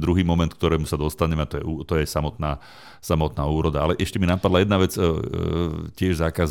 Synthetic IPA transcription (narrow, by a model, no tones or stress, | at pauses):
d̪ɾuɦiːmɔmɛnt̪k̚t̪ɔɾɛːmusad̪ɔst̪aɲɛmɛt̪ɔjɛuːt̪ɔjɛsamɔt̪naː | samɔt̪naːuːɾɔd̪aa̰lɛʔɛʃcɛminapad̪lajɛd̪naʋɛt͡s | cɪɛʒzaːkaz